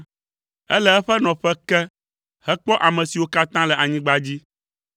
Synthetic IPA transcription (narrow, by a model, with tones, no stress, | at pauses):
ɛ˦lɛ˦ɛ˦ɸɛ˦nɔ̃˨ɸɛ˦kɛ˦ | hɛ˦k͡pɔ˦ʔa˨mɛ̃˨si˨wo˦ka˦t̪ã˦lɛ˨ʔa˨ɲĩ˦ɡ͡ba˦d͡ʑi˦